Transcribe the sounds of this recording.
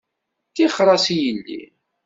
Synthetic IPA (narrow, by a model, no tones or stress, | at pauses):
θiχɾˤɑsijəlːḭ